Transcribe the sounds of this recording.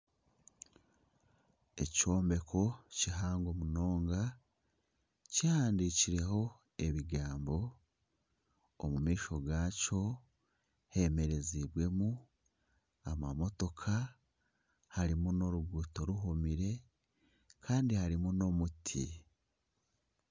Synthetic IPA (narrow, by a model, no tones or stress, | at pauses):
e̞co̞ːmbe̞kʰo̞ciɦaːŋɡo̞muno̞ːŋɡa | cihaːndiciɾe̞ɦo̞ | e̞βiɡaːmbo̞ | mumiːʃo̞ɡaːco̞ | he̞me̞ɾe̞ziβwe̞mu | amamo̞to̞kʰa | haɾimuno̞ɾuɡuːto̞ɾuɦomiɾe̞ | kʰaːndihaɾimuno̞mutʰḭ